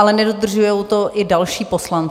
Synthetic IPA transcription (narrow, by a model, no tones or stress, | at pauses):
alɛnɛdo̞d̪r̩ʒujowt̪o̞ʔɪdalʃiːpo̞slan